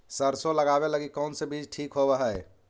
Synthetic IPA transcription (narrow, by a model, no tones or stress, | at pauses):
səɾsoləɡabeləɡikəʊnsẽbid͡ʒʈʰikɦobəɦəj